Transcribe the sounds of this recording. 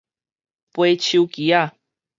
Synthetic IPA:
pwet͡ɕiukia

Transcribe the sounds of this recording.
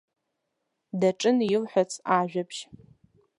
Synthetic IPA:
dɐʈ͡ʂʼɨnjɪlħʷat͡sʰʼaːʒʷᶣɐpʰʃ

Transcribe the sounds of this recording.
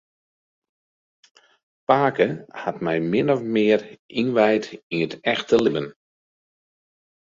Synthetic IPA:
paːkəhatmɛjmɪnɔfmɪːərinʋɛjtinətɛxtəlɪbən

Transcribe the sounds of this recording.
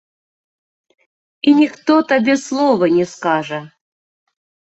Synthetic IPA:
inʲɪxt̪ot̪abʲeslˠovənʲɪskaʐə

